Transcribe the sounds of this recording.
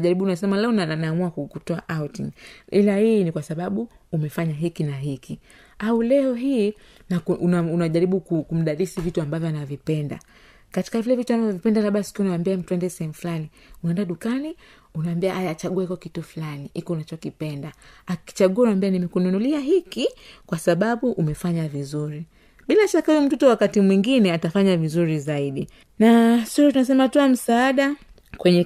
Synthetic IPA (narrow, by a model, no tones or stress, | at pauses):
ʄaɾiɓunasɛmalɛɔnaanaːmuakukutɔaʔautiŋilahiːnikwasaɓaɓuː | mɛfaɲaɦikinaɦiki | aulɛɔɦiː | nakunaunaʄaɾiɓukukum̩ɗaɾisivituambavjɔanavipɛnda̰ | kati̥kavilɛvituambavjɔvipɛndalaɓasi̥kiɔunawambiam̩tuɛndɛsɛhɛmuflani | uɛndaɗukani | unawambiaʔajaːt͡ʃaɠuɛkɔkituflaniikɔunat͡ʃɔkipɛndaaki̥t͡ʃaɠuanambianimɛkununuliaɦikikwasaɓaɓuʔumɛfaɲavizuɾi | ɓilaʃakahujɔm̩tutɔwakatimwiŋɡinɛatafaɲavizuɾizaiɗi | nasuɾɔtunas̬ɛmatuam̩saaɗa | kwɛɲɛ